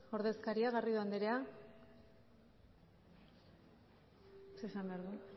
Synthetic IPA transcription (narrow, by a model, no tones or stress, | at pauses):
o̞ɾðe̞skaɾiaɣariðuand̪eɾea | sesambe̞aɾðu